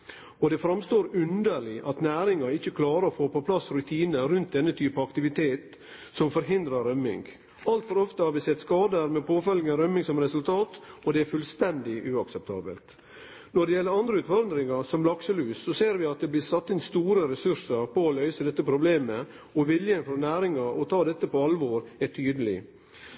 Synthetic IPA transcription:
ɔd̪ɛfɾɑmst̪oːɾʉnd̪əɾɭɪʔɑt̪næːɾɪŋɑɾɪçːəkʰlɑːɾəɾɔfoːpɔpʰlɑsɾʉt̪ʰiːnəɾʉnt̪̚d̪ɛnːət̪ʰyːpɑɑkt̪ɪʋɪt̪ʰeːt̪ | sɔmfɔɾɦɪnd̪ɾəɾœmːɪ̰ŋɡ | ɑlt̪fɔɾɔft̪əhɑɾʋɪsɛt̪skɑːd̪əæɾmɛpʰoːfœlɡənɾœmɪŋsɔmɾɛsʉlt̪ʰɑːt̪ɔd̪ɛæɾfʉlst̪ɛnd̪ɪʔʉɑksɛp̚t̪ʰɑ̰ːbə̰lt̪ | nɔɖɛjɛlːəɾɑnd̪ɾəʉːt̪fɔɾd̪ɾɪŋɑɾsɔmlɑksəlʉːsːɔseːɾʋɪɑt̪̚d̪ɛblɪsɑt̪ːɪnst̪uːɾəɾɛsʉɾsəɾpɔːlœʏsəd̪ɛt̪ːəpʰɾʊbleːmə | ɔʋɪljənfɔnæːɾɪŋɑʔɔt̪ʰɑːd̪ɛt̪ːəpɔɑlʋoːɾæʈʰyːd̪əlɪ

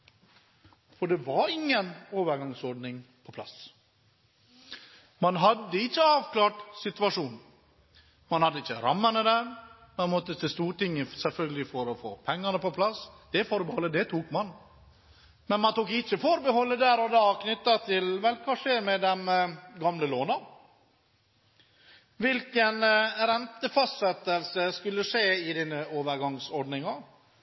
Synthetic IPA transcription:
fɔɖɛʋɑɾɪŋːənoːʋəɾɡɑŋsɔɖnɪŋpʰɔpʰlɑ̰s | mɑnɦɑd̪ːəɪçːəɑːʋklɑːʈsɪt̪ʉɑʂuːn | mɑnhɑd̪ːəɪçːəɾɑmːənəd̪æːɾ | mɑnmɔt̪ːət̪ɪst̪uːɾʈɪŋːəsɛlfœlɡəlɪfɔɾɔfo̰ːpʰɛŋːɑnəpɔpʰlɑsd̪̥ɛfɔɾbəhɔlːəd̪ɛt̪ʰuːkmɑn | mɛnmɑnt̪uːkɪçəfɔɾbəhɔlːəd̪æːɾɔd̪ɑːknʏt̪ːɑt̪ʰɪlʋɛlkʰɑʂeːɾmɛd̪ɛmɡɑmləloːnɑ | ʋɪlkənɾɛnt̪əfɑst̪sɛt̪ːəlsəskʉlːəʂeːɪd̪ɪnːəoːʋəɾɡɑŋsɔɖnɪŋɑ

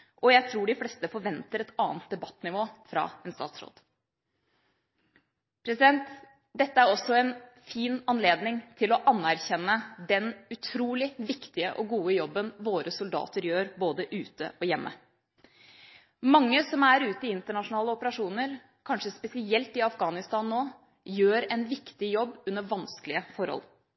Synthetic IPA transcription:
ʔɔjæɪt̪ʰɾuːɖɪflɛst̪əfɔɾʋɛnt̪əɾɛt̪ɑːnt̪̚d̪ɛbɑt̪ːnɪʋoːfɾɑ̰ːɛnst̪ɑ̰ːt̪sɾo̰ːd̪̥ | pʰɾɛsɪd̪ɛnt̪ | d̪ɛt̪ːəæɾɔsɔɛnfiːnɑnleːd̪nɪŋt̪ʰɪlɔʔɑnːæɾçɛnːəd̪ɛnʉt̪ʰɾuːlɪʋɪkt̪ɪəʔɔɡuːəjɔbːənʋoːɾʔəsʊld̪ɑ̰ːt̪əɾjøːɾboːd̪əʔʉːt̪ə̰ʔɔjɛmːʔə̰ | mɑŋːəsɔmæɾʉːt̪ɪɪnt̪əɳɑʂʊnɑːləɔpəɾɑʂuːnəɾ | kʰɑnʂəspɛsɪɛlt̪ɪɑfɡɑːnɪst̪ɑːnːoː | jøːɾɛnʋɪkt̪ɪjɔbːʉnːəʋɑnskəlɪəfɔɾhɔ̰l

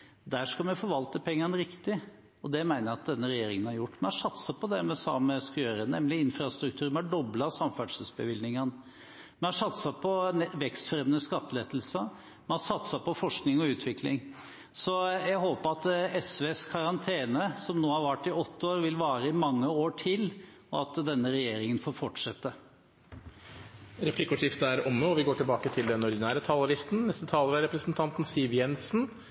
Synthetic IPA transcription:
d̪æːʂkɑmɛfɔʋɑlt̪əpʰɛŋːɑnəɾɪkt̪ɪ | ɔd̪ɛmæɪnəɾɑt̪̚d̪ɛnːəɾɛjeːɾɪŋənhɑɾjʊʈːmɛhɑʂɑt̪sɑpɔd̪ɛmɛsɑ̰məskɑjøːɾənɛ̰mlɪɪnfɾɑst̪ɾʉkt̪ʰʉːɾmɛɑɖɔblɑsɑmfæɖʂəsbəʋɪlnɪŋən | mɛhɑʂɑt̪sɑpʰɔʋɛkst̪fɾɛmnəskɑt̪ːəlɛt̪l̩sɑ | mɛhɑʂɑt̪sɑpɔfɔʂknɪŋɔʉːt̪ʰʋɪklɪ̰ŋ | sɔjæɦoːpəɾɑt̪ɛsʋeːskʰɑɾɑnt̪ʰeːnəsɔmnoːhɑɾʋæʈːɪɔt̪ːəoːɾʋɪlʋɑːɾəɪmɑŋːəoːʈʰɪl | ɔɑt̪d̪ɛnːəɾɛjeːɾɪŋənfoːɾfɔʈʂɛt̪ːə | ɾɛpʰlɪkːʊʂɪft̪əæɾɔmnoːɔʋɪɡoːʈɪlbɑːkət̪ʰɪld̪ɛnɔɾd̪ɪnæːɾət̪ʰɑːlɑɾɪst̪n̩nɛst̪ət̪ʰɑːləɾæɾɛpɾəsnt̪ʰɑnt̪n̩sɪʋjɛnsn̩

